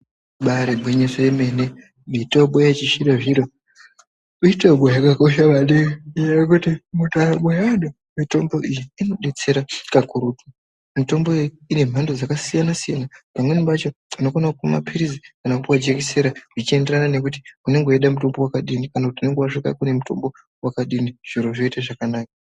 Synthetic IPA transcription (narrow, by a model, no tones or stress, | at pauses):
ɓaɾeɓweɲesoeme̞ne | mitoɓojat͡ʃiʃiɾaʐiɾo | itoɓojakako̞ʃaʋaɗiijajokutimutaɾaɓojaɗo | mito̞mbo̞ʔijiːno̞ɗe̞t͡se̞ɾakakuɾutwu | mito̞mboijiine̞m̤andod͡zakasijanasijanapamweniʋat͡ʃounokonakuma̰pʰiɾizikanakupwad͡ʒekese̞ɾaʐit͡ʃie̞nderanane̞kuti̥une̞ŋɡeeɗamuto̞mbo̞wakaɗinikanakutiune̞ŋɡewaʂika̰kune̞muto̞̰mbo̞ | wakaɗiniʐ̥iɾoʐo̞itaʐakanaːka